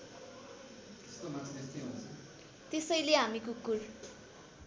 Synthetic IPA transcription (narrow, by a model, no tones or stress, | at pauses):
t̪e̥st̪omant͡sʰt̪est̪ʌj̃ɦont͡sʰʌ | t̪esʌjleɦamikokul